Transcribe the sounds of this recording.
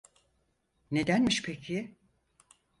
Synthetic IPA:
ne̞d̪ænmiʃpʰecʰi

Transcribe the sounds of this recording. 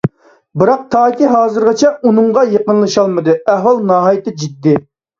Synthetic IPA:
bɨɾɑq̚t̪ʰɑːkʲiɦɑːzɨɾʁɑt͡ʃʰɛunɨŋʁɑjeqənlˠɨʃɑlˠmɨd̪ɨæhwɑlˠnɑːɦɑːjit̪ɪd͡ʒid̪ːɪ

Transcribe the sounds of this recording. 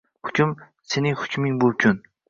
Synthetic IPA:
hʊkʲʰʊm | se̞nɪŋhʊ̥kʲʰmɪŋbʊlˠkʲʰʊn

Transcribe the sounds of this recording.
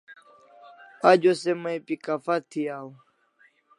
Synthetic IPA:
ad͡ʒosɛmãɛpikafat̪ʰiau

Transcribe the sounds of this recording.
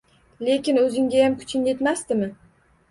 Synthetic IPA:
le̞kʲɪnɵzɪŋɡʲajamkʰʊ̥t͡ʃʰɪnʲje̞t̪mast̪ɪmɪ

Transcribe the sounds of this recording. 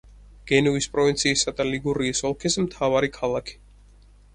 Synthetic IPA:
ɡ̥ɛnuispʼɾɔvint̪sʰiːsad̪aliɡuɾiːsɔlˠkʰismt̪ʰavaɾikʰalˠakʰi̥

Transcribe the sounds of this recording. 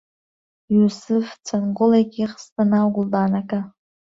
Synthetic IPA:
jusɨft͡sʰanqʊlajkʲʼiχstʰʼanaɡʷʊldanakʼa

